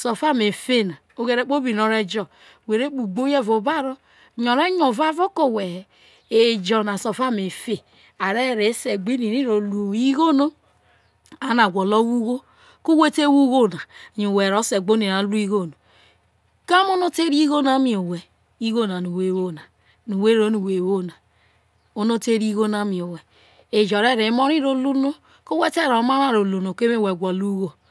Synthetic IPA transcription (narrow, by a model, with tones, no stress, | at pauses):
so˨fa˦me˨fe˦na˨ | o˦ɡe˨ɾe˦˨k͡po˦bi˨no˦ɾe˦d͡ʒɔ˦˨ | we˨ɾe˦k͡pu˨ɡ͡bo˦je˦vo˨ba˦ɾo˦ | ɲɔ˨ɾe˦ɲo˨va˦vo˦ko˦˨we˨ | e˨d͡ʒɔ˨na˨so˨fa˦˨me˨fe˦ | a˨ɾe˦˨ɾe˨˦se˨ɡ͡be˦ni˨ɾi˦ɾo˨lu˨i˦ɣo˦no˦ | a˨na˨ɡʷo˨lo˦wu˦ɣo˦ | ko˦we˦te˦wu˦ɣo˦na˨ɲo˨we˨ɾo˨˦se˨ɡ͡bo˦ni˨ɾa˨˦lu˦i˦ɣo˦no˨ | ka˦mo˦no˦te˦ɾi˦ɣo˦na˦mi˨o˨we˨ | i˦ɣo˦na˨nu˨we˦wo˦na˨ | nu˨we˦ɾo˦nu˨we˨wo˦˨na˨ | o˦no˦te˦ɾi˦ɣo˦na˨˦mi˨o˨we˨ | e˨d͡ʒɔ˨ɾe˦ɾe˨˦mo˦ɾi˦ɾo˨lu˦no˦ | ko˦we˦te˦ɾo˨˦ma˦na˦˨ɾo˨lu˨no˨ke˦me˦˨we˨ɡʷɔ˨lu˦ɣo˦